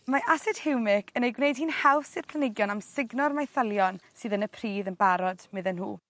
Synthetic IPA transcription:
maʔasɛd̥hɪwmɪkʰənejɡwnejd̥̚hiːnhawfsɨr̥pʰl̥ənɪɡjɔnamsɪɡnɔrmajθəlˠjɔnsɨːðənəpʰriːðənbaɾɔdmɨðənɦuː

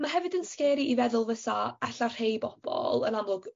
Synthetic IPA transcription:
maɦɛvɨdənskɛːɾiʔivɛðʊlˠvəθaɛɬar̥hejbɔb̥ɔ̰lˠənamlˠʊɡ̥

